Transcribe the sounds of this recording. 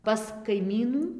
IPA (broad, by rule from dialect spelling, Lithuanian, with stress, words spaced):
pɐs kɐɪˈmʲiːnuː